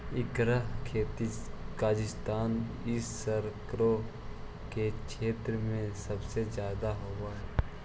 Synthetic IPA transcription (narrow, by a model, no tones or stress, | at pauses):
ɪkɾəɦkʰeːt̪ikaːd͡ʒɪst̪aːn | ɪsːəɾkɾo | kekʰeːt̪ɾəmẽsɐbsezjaːd̪aɦoːɡaɦɛː